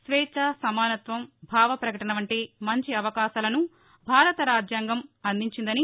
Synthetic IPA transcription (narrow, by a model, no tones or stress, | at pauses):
sʋɛːt͡ʃɐsɐmaːnɐt̪ʋɐmbʱaːʋɐpɾɐkɐʈɐnɐʋɐɳʈeːmɐɲt͡ʃiɐʋɐkaːʃaːlɐnu | bʱaːɾɐt̪ɐɾaːd͡ʒjaːŋɡɐmɐnd̪iɲt͡ʃind̪ɐni